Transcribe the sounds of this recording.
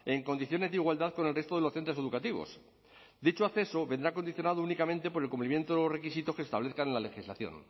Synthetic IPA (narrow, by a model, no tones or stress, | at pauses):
e̞ŋkond̪iθjo̞ne̞zd̪eiɣwald̪aðko̞nelrest̪oðeosθent̪ɾose̞ðukat̪iβo̰s | d̪it͡ʃoaθe̞soβe̞nd̪ɾakond̪iθjo̞naðounikamẽnt̪e̞poɾe̞lkumplimje̞nt̪oðelo̞sre̞kis̬it̪o̞skeest̪aβle̞θkanenlale̞xizla̰θjo̰n